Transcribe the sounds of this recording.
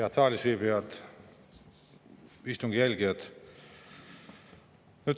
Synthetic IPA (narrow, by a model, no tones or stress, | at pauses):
ɑt̪sɑːlʲisviːbiɑt̪ | ist̪uŋɡ̥ijælʲɡiɑt̪ | nyt̪